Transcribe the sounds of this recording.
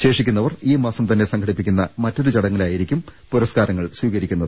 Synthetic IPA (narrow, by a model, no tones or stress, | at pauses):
ɕe̞ːʂikʲːunːɐʋɐriːmaːsɐmt̪ɐnːe̞sɐŋkʰɐɽipːikʲːunːɐmɐtːo̞ɾut͡ɕɐɽɐŋːɐlaːjiɾikʲːumpuɾɐskaːɾɐŋːɐɭswiːɣɐɾikʲːunːɐðɨɨ